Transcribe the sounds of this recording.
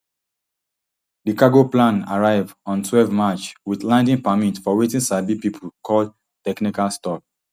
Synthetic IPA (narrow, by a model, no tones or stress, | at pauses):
dikaɡoplãna̰ɹaɪvɔ̃ntwɛlvmat͡ʃwiθlãndĩŋpamĩntfɔwetĩnsabipipʰulkʰɔl | tɛknikalstɔk̚